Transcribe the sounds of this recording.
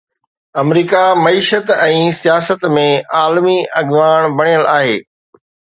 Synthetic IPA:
ɐmɾiːkamɐiːʃət̪ɛ̃ːsijaːsət̪mẽaːlmiɐɠʋaːɽ̃bɐɽ̃ijəlaːɦeː

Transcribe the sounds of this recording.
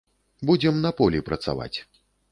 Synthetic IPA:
bud͡zʲɛmnɐpɔlʲipɾɐt̪sa̰va̰t͡sʲ

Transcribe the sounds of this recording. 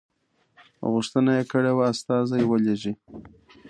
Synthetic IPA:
ɣuʂt̪ənajekəɽewaːst̪ɑzajwəleʒi

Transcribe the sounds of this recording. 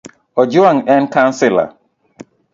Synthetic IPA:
ɔd͡ʒuãŋɛnkãnsɪla̰

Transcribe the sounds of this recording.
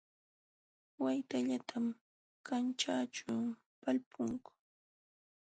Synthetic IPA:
wajt̪aʎat̪ʰam | kant͡ʃaːt͡ʃʊ | palpʰʊŋkʊ̥

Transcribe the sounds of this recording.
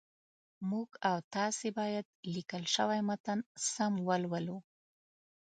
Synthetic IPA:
muɡawt̪ɑsebɑjad̪̚likəlʃəwajmat̪ansamwəlwəlu

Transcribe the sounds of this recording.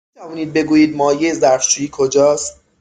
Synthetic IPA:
it̪ʰævɔːniːd̪̚be̞ɡuːjiːd̪̚mɒːjeezæɾft͡ʃuːjiːkʰod͡ʒɒːst̪̚

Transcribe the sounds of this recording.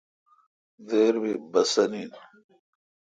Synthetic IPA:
ðeːɾbibɐsɐnin

